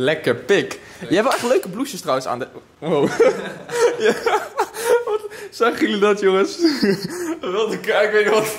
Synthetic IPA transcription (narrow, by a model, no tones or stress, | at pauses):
lɛkəɹpɪk | jəɛpʋɛlˠɛχtløɥkəbluʃəstrawənsa̰ːndə | ow | ja | ʋɔtsaχəlidɔtjoŋəs | ʋɪlˠtəkɛjkʋəʋɔt